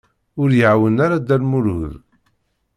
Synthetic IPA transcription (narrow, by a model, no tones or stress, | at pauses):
ʊɾjəʕwənaɾad̪ælmʊɾhð